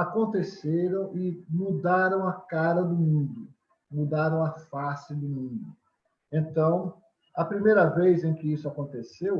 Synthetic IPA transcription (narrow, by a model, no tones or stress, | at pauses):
akõnt̪eseɾɐ̃w̃ɪmud̪aɾɐ̃w̃ɐkaɾɐd̪ʊmũnd̪ʊ | mud̪aɾɐ̃w̃ɐfasɪd̪ʊmũnd̪ʊ | ẽnt̪ɐ̃w̃ | ɐpɾimejɾɐvejzẽj̃kɪisʊakõnt̪esew